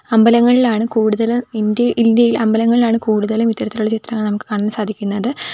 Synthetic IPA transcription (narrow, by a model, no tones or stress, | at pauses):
ɐmbɐlɐŋːɐɭilaːɳɨkuːɽuðɐlumind̪jɐʔind̪jɐjilɐmbɐlɐŋːɐɭilaːɳɨkuːɽuðɐlumit̪ːɐɾɐt̪ːiluɭːɐt͡ɕit̪rɐŋːɐɭnɐmukːɨ̥kaɳːɐnsaːd̪ʱikʲːunːɐðɨ